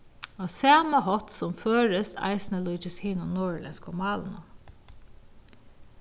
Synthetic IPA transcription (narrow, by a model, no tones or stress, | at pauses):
ɔsæːmaɦɔt̪sɔmføːɹəst̪ʰa̰ɪsnəluːt͡ʃɪshɪːnʊnɔːɹlɛ̰nskɔmɑːlnʊ̰